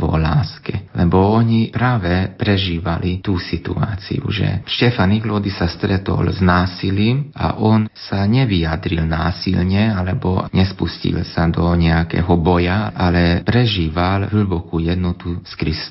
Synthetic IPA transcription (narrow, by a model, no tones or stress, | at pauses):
ʋɔ̰laːskɛlɛbɔɔɲipɾaːʋɛpɾɛʒiːʋalit̪uːsit̪ṵa̰ːt͡sḭṵʒɛ̰ʃcɛfaniɡlɔd̪isast̪ɾɛt̪ɔ̰lznaːsiliːmʔa̰ʔɔnsaɲɛʋijad̪ɾilnaːsḭlɲɛalɛbɔ̰ɲɛspuscḭlsad̪ɔɲɛakɛ̰ːɦɔbɔjaʔalɛpɾɛʒiːʋalɦlɭ̩bɔkuːjɛd̪nɔt̪uskɾis